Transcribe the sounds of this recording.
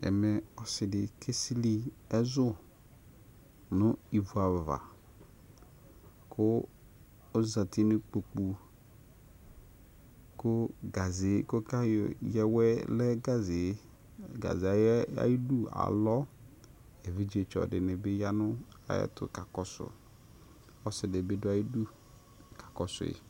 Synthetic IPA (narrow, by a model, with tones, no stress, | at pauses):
ɛ̰˨mɛ˨ɔ˨sɪ˨dɪ˨kʰe˦si˦li˦ɛ˦zʊ˦ | nʊ˦i˨vu˨a˨va̰˨ | kʰʊː˦ | za˨tʰɪ˦nɪ˦k͡po˨k͡pu˨ | kʊ˦ɡa˨zɪ˨˦kʊ˦ka˦jjɛ˦wɛ˦lɛ˦ɡa˦zɪ˨˦ | ɡa̰˨za˨ja̰˦ji˦du˦a̰˨lɔ˦ | e˨vi˦d͡ʒe˨t͡ʃɔ̰˨dɪ˨nɪ˨bɪ˦ja˦nʊ˦ | a̰˨jɛ̰˦tʊ̰˨ka˨kɔ˦sʊ̰˨ | ɔ˦sɪ˨dɪ˨bɪ˦dʊ˦a˨ji˦du˦ | kʰḁ˨kɔ˨sʊ̰˨ɪ̰˨